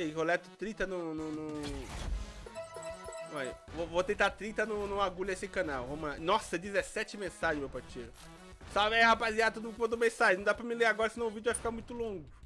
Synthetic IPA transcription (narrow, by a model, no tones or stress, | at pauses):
eɦolɛt̪ʊ̥t̪ɾĩt̪ɐnũnʊ̃nʊ̃ | ɛvovot̪ẽnt̪at̪ɾĩt̪ɐnũnɐ̃w̃aɡuʎɐesɪkɐ̃nawvomɐ̃nɔsɐd͡ʒizesɛt͡ʃɪmẽsaʒẽmewpaɾt͡ʃeɾʊ | saɛhapaziat̪od̪upõd̪ʊmẽsaʒenɐ̃d̪apɾɐmɪleɾaɡɔɾɐsɪnɐ̃w̃ʊvid͡ʒʊvajfi̥kaɾmũj̃t̪ʊlõŋɡʊ